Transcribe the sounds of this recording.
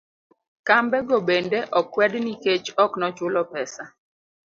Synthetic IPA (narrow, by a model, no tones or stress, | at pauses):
kambɛɡobendeʔɔkwɛdniket͡ʃɔknɔt͡ʃʊlɔpɛsa